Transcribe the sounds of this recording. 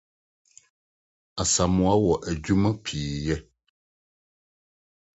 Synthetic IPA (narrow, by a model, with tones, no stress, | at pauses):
a˨sa˨mũ˦a˦wɔ˨ʔɛ˨d͡ʒu˦mə˦pʰiː˨jɛ˦